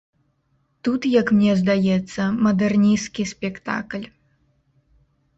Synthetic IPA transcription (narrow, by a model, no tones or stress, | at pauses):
t̪ut̪jɐkmnʲɛzd̪ajɛt̪sːɐmɐd̪ɛrnʲijskʲisʲpʲɛkt̪a̰klʲ